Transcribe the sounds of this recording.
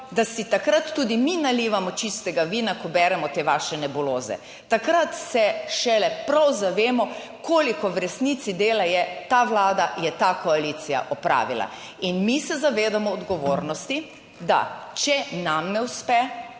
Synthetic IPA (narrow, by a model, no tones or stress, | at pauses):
d̪asit̪akɾat̪ːuːd̪iminaliʋamɔt͡ʃist̪ɛɡaʋiːnakɔbɛːɾɛmɔt̪eːʋaːʃɛnɛbɔloːzɛ̰ | t̪akɾat̪sɛʃɛlɛpɾawzaʋeːmɔ | koːlikɔwɾɛsnit̪sid̪eːlajɛt̪aʋlaːd̪ajɛt̪akɔalit̪sija̰ʔɔpɾa̰ːʋila̰ | inmisɛzaʋeːd̪amɔːd̪ɡɔʋoːɾnɔst̪i | d̪a̰t͡ʃɛnamnɛwspɛ